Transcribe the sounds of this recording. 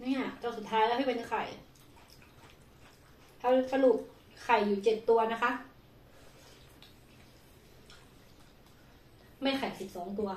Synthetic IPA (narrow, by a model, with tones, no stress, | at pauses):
nɛː˧˩t̪ɔː˧˩su˨˩t̪ʰːaː˦˥jlɛ˦˥˩ha˥˩pe˧˦ɲa˧˩kʰa̰˨˩j | t̪ʰaː˦˥sa˧lu˨˩k̚ | kʰa˨˩jːuː˨˩t͡ɕe˨˩t̪ːu˧ɐna˦˥kʰa˦˥ʔ | ma˥˩jxʰa˨˩jsi˨˩p̚sɔː˩˦ŋt̪u˧ɐ